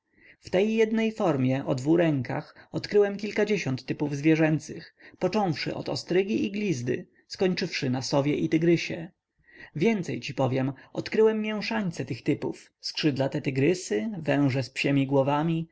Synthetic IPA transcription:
ft̪ɛjːɛd̪nɛjfɔɾmʲjɛʔɔd̪vuɾɛŋka̰xɔt̪kɾɘwɛmkʲilkad͡ʑeɕɔnt̪ːɘpuvzvʲjɛʐɛnt̪sɘxpɔt͡ʂɔ̃w̃fʂɘ̰ʔɔ̰t̪ɔ̰st̪ɾɘɡʲiiɡlʲizd̪ɘ̰ | skɔɲt͡ʂɘfʂɘnasɔvʲjɛʔit̪ɘɡɾɘɕɛ | vʲjɛnt̪sɛjt͡ɕipɔvʲjɛmɔt̪kɾɘwɛmːjɛw̃ʂaɲt̪sɛt̪ɘxt̪ɘpuf | skʂɘd̪lat̪ɛt̪ɘɡɾɘsɘvɛ̃w̃ʐɛspɕɛmʲiɡwɔvamʲi

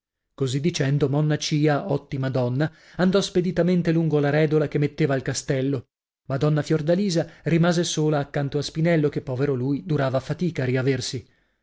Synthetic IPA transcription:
kozid̪ːit͡ʃɛnd̪omɔnːat͡ʃiːaɔt̪ːimad̪ɔnːa | and̪ɔsped̪it̪ament̪eluŋɡolaɾɛːd̪olakemːet̪ːeːvaːlkast̪ɛlːo | mad̪ɔnːafjord̪aliːzarimaːzesoːlaːkːant̪oaspinɛlːokepːɔveɾoluːjd̪uɾaːvafat̪iːkaːriaversi

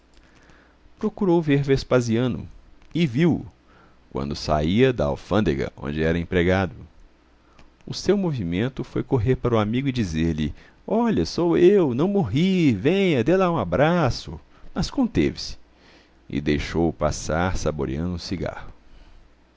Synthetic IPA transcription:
pɾokuɾowveɾvespaziɐ̃nʊ̰ɪviw | kwɐ̰̃nd̪ʊsa̰iɐd̪ɐa̰wfɐ̃nd̪eɡɐ̰ʔõ̰nd͡ʒɪɛɾɐẽpɾeɡad̪ʊ | ʊsewmovimẽnt̪ʊfojkoɦeɾpaɾʊamiɡʊɪd͡ʒizeɾlɪ | ɔʎɐsowewnɐ̃w̃moɦivẽɲɐd̪elaũabɾasʊ | mɐskõnt̪evɪsɪ̥ | ɪ̰d̪ejʃowpa̰saɾsabo̰ɾiɐ̃nʊũsiɡa̰hʊ

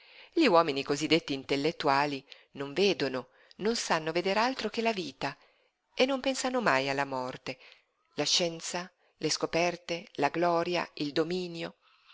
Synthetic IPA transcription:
ʎiwɔːminikozid̪ːet̪ːiːnt̪elːet̪ːuaːli | noɱveːd̪ono | nonsanːoved̪eːɾalt̪ɾok̟elaviːt̪a | enːompɛnsanomajalːamɔrt̪e | laʃːɛnt̪sa | leskopɛrt̪elaɡlɔːɾja̰ild̪omiːnjo

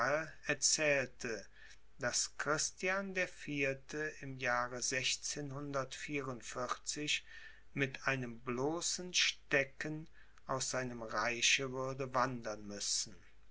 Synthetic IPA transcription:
əɛɐt͡sɛːltʰə | d̥askʁ̥ɪstjandeːɐfiːɐtʰəɪmjaːʁəzɛçt͡seːnhʊndɐtfiːʁʊntfɪʁt͡sɪç | mɪtʰʔaɪnəmbloːsn̩ʃtɛkən | ʔaʊsz̥aɪnəmʁaɪʃəvʏɐdəvandɐnmʏsn̩

